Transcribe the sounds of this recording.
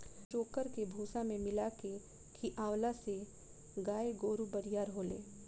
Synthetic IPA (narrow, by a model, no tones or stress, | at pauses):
t͡ʃoːkəɾkebʱuːsãmẽmɪlake | kʰiʔãːwlase | ɡaːeɡoːɾubəɾijaːɾɦoːlḛː